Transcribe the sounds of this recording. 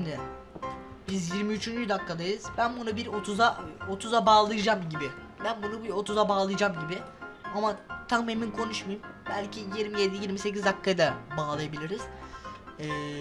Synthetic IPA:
nd̪ɪ | bizjiɾmiyt͡ʃʰynd͡ʒyyd̪akʰːad̪ajɯz̥bænbunubiɾo̞t̪ʰuzao̞t̪ʰuzabaːlˠɯjɯd͡ʒamɟibɪ | bænbunubiɾo̞t̪ʰuzabaːlˠɯjɯd͡ʒamɟibɪamat̪ʰame̞minkʰo̞nuʃmajɯmbælʲcʰijiɾmije̞d̪ijiɾmise̞cizd̪akʰːajd̪abaːlˠajabilʲiɾiz̥ | ɛː

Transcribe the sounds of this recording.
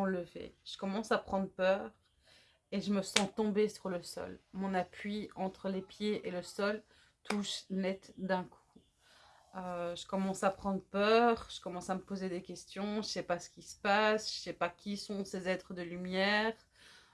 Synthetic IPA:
ɑ̃ləvḛʒ̥ə̥kɔmɑ̃sapχɑ̃d̪ʁəpœːʁ | eʒəməsɑ̃t̪ɔ̃besyʁləsɔ̰lmɔ̃napɥiɑ̃t̪χəlepjeʔeləsɔl | t̪ʰuʃnɛt̪d̪ɛ̃kʰu̥ | øʒəkɔmɑ̃sapχɑ̃d̪ʁəpœʁʒ̥əkɔmɑ̃saməpozed̪ekʲɛst̪jɔ̃ʒəsɛpasə̥kʲisə̥pasʒ̥əsɛpakʲisɔ̃sezɛt̪χəd̪əlymjɛːʁ

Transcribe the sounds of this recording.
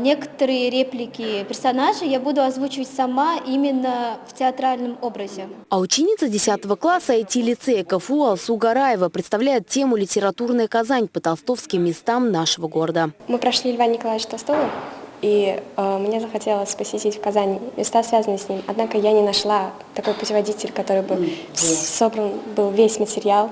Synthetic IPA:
nʲe̞kə̥t̪əɾɨjəɾʲeplʲɪkʲɪpʲɪrsɐnaʐɨjabud̪ʊɐzvut͡ɕɪvətʲsɐmaʔimʲɪnːəftʲɪɐt̪ɾalʲnɨmobɾəzʲɪ | ɐʊt͡ɕɪnʲit̪sədʲɪsʲat̪əvəklˠasəitʲilʲɪt̪sɛkəfuɐlˠsuɡɐɾajɪvəpɾʲɪt̪st̪ɐvlʲæjɪt̪̚tʲːe̞mʊlʲɪtʲɪɾɐt̪urnəjəkazanʲpət̪ɐlˠst̪o̞fskʲɪmːʲɪst̪amnaʂəvəɡo̞ɾəd̪əmɨpɾɐʂlʲiɪlʲvanʲnʲɪkɐlˠaɪt͡ɕt̪ɐlˠst̪o̞vəiəmnʲezəxɐtʲe̞lˠəsʲpəsʲɪtʲitʲfkɐzanʲɪmʲɪst̪asvʲazənɨsʲnʲimɐd̪nakəjanʲɪnɐʂlˠa | t̪ɐko̞jpʊtʲɪvɐdʲitʲɪlʲkɐt̪o̞ɾɨjbɨfso̞bɾənbɨlˠvʲesʲmətʲɪɾʲɪalˠ

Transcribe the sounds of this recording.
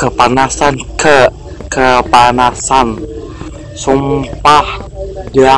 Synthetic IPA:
kəpanasankʰə | kəpanasan | sumpahda

